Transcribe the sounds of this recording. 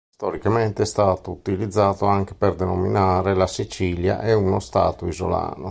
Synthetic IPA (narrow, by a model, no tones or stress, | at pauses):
st̪ɔɾikament̪eɛst̪aːt̪out̪ilid̪zːaːt̪oaŋk̟eperd̪ɛnominaːɾelasit͡ʃilja̰ʔɛunost̪a̰ːt̪oizo̰la̰ːno